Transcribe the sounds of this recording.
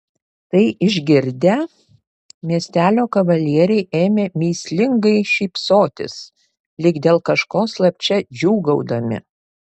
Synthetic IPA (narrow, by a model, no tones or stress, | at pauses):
t̪ɐɪʔɪʒʲɡʲɪɾʲd̪ʲɛ | mʲiɛsʲt̪ʲæːlʲoːkɐʋɐlʲiɛɾʲɛɪʔeːmʲeːmʲiːsʲlʲɪŋɡɐɪʃʲiːpsoːt̪ʲɪ̰s | lʲɪɡd̪ʲeːlˠkɐʃkoːslˠɐpʲt͡ʃʲɛd͡ʒʲuːɡɐʊd̪ɐmʲɪ̰